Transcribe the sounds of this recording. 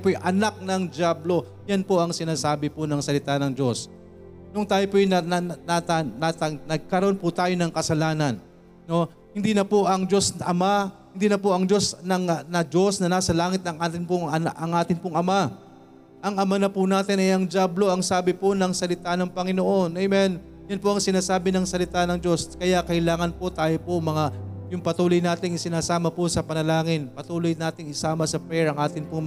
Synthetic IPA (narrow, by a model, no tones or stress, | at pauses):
pojʔɐnak̚nɐŋd͡ʒaːblo̞ | janpoɐŋsɪnaːsaːbɪpʊnɐŋsɐlɪt̪anɐŋd͡ʒo̞s | nʊŋt̪aːjopojnɐanat̪ɐnat̪ɐŋnɐɡ̚kɐɾoo̞npʊt̪aːjo̞nɐŋkɐsɐlaːnɐn | no̞ | hɪnd̪inɐpoʔɐŋd͡ʒo̞snʔɐmahɪnd̪inɐpoʔɐŋd͡ʒo̞snɐŋnɐd͡ʒo̞snɐnaːsɐlaːŋɪt̪̚nɐŋʔaːt̪ɪnpʊŋɐʔɐŋʔaːt̪ɪnpʊŋɐma | ʔɐŋʔɐmanɐpʊnaːt̪ɪnɐjɐŋd͡ʒablo̞ʔɐŋsaːbɪponɐŋsɐlɪt̪anɐŋpɐŋɪnoʔo̞nʔɐjmɛn | jɐnpoʔɐŋsɪnaːsaːbɪnɐŋsɐlɪt̪anɐŋd͡ʒo̞skɐjakɐɪlaːŋɐnpo̞t̪aːjopomɐŋajʊŋpɐt̪uːlojnaːt̪ɪŋɪsɪnaːsaːmɐposɐpɐnɐlaːŋɪnpɐt̪uːlojnaːt̪ɪŋɪsaːmɐsɐpɛɹɐŋʔaːt̪ɪnpʊŋm